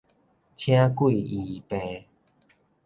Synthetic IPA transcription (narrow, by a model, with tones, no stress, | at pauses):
t͡ɕʰj̃ã˦kwi˥˨i˨˩pẽ˧